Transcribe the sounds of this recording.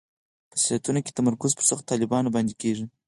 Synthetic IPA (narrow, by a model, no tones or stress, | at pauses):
pə̥silat̪unoke̥t̪amaɾkʊzpəɾsaxt̪ɑlɪbɑnobɑnd̪ekeʐi